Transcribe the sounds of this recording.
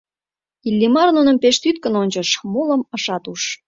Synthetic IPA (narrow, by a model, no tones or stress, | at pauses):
ilʲːimɑrnunə̆mpeʃt̪yt̪kə̆nonʲt͡ɕə̆ʃmoləməʃɑt̪uʃ